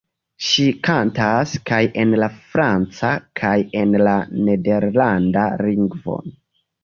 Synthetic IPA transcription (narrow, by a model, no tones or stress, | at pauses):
ʃikantaskajʔe̞nlafɾant͡sakʰaje̞nlane̞de̞ɾlanda̰liŋɡvo̞̰